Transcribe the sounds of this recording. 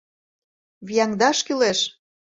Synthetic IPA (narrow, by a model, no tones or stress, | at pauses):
βijɑŋd̪ɑʃkyleʃ